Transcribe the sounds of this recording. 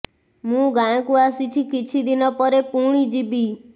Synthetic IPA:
mũɡãj̃ɔ̃kuasit͡ʃʰikit͡ʃʰid̪inɔpɔɾepuɽ̃id͡ʒibi

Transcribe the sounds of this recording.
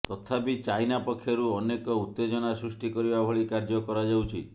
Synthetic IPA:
t̪ɔt̪ʰapit͡ʃajnapɔkʰːjɔɾuɔnekɔut̪ːed͡ʒɔnasɾusʈikɔɾibabʱɔɭikaɾd͡ʒɔkɔɾad͡ʒawt͡ʃʰi

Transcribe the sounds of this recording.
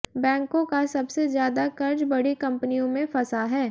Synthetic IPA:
bɛ̃ːŋkõkasɐbsezjaːd̪akɐɾd͡ʒbɐɽikɐ̃mpənijõmẽfɐsaɦɛː

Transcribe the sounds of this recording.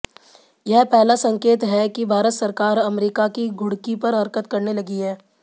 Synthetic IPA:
jɐɦpɛɦlasɐ̃ŋkeːt̪ɦɛkibʱaːɾət̪sɐɾkaːɾɐmɾiːkakiɡʱʊɽkipɐɾɦɐɾkət̪kɐɾnelɐɡiɦɛː

